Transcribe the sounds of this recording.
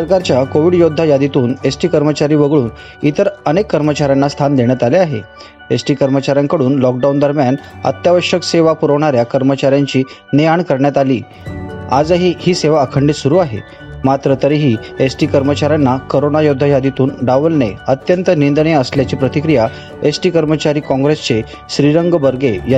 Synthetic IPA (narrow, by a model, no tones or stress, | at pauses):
səɾkaɾt͡ɕjakoʋiːɖjod̪ʱːajad̪it̪uːnesʈiːkəɾmət͡ɕaɾiːʋəɡɭuːn | it̪əɾənekːəɾmət͡ɕaɾjanːast̪ʰand̪eɳjat̪aleaɦe | esʈiːkəɾmət͡ɕaɾjaŋkəɽuːnlɔk̚ɖawund̪əɾmjanə̰t̪jaʋəʂjəkseʋapuɾəʋɳ̃aɾjakəɾmət͡ɕaɾjaɲt͡ɕiː | neaɳkəɾɳjat̪alḭː | a̰d͡zəɦihiːseʋaəkʰəɳɖit̪suɾuːaɦḛ | mat̪ɾət̪əɾiɦiːesʈiːkəɾmət͡ɕaɾjanːakoɾonajod̪ʱːajad̪it̪uːnɖaʋəlnḛət̪jənt̪ənind̪nejəsljat͡ɕiːpɾət̪ikɾija | esʈiːkəɾmət͡ɕaɾiːkɔ̃ŋɡɾest͡se | ɕɾiɾəŋɡbəɾɡej